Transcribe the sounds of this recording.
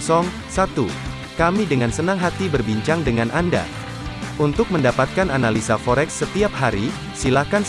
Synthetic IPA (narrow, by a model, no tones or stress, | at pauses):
sɔŋ | sat̪u | kamidəŋansənaŋɦat̪ibərbiɲt͡ʃaŋdəŋanʔanda̰ | unt̪ʊk̚məndapat̪̚kananalisafɔɾɛksːət̪iap̚haɾi | silakans